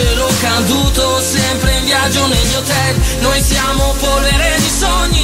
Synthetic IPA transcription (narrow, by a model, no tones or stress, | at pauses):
eɾɔkːand̪uːt̪o | sɛmpɾeiɱvjad͡ʒːonelɲot̪ɛlnojsjaːmopoɾeɾed̪isɔɲːi